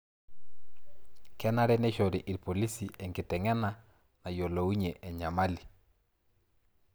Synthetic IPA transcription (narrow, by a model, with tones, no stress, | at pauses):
kɛ˦na˦ɾɛ˦nɛ˦ʃɔ˨ɾɪ˨ʔɪ˨ɾpo˨li˦si˨ʔɛ˨ŋɡɪ˨tɛ˨ŋɛ˦na˦ | na˨jo˨lo˨u˦ɲe˨ʔɛ˨ɲa˨ma˦li˨